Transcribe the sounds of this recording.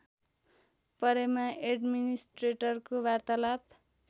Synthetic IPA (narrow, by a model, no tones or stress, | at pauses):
pʌɾemaʔeɖminisʈreʈʌrkobart̪alat̪